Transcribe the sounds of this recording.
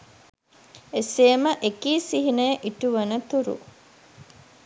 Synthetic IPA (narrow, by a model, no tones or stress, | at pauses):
eseːməʔekiːsiɦinəjəʔiʈuʋɐnət̪uɾṵ